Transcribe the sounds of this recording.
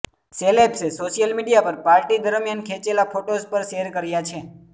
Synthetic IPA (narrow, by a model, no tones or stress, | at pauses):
selebsesoʃijəlmiɖijapəɾpaɾʈid̪əɾmjankʰet͡ʃelafʰoʈospəɾʃeɾkəɾjat͡ʃʰe